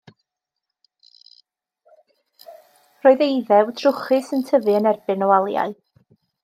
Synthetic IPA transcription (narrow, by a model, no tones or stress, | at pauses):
roːðejðɛwdʰr̥ʊχɨsəntʰəvɨənɛrb̥ɨnɔwalˠja̰ɨ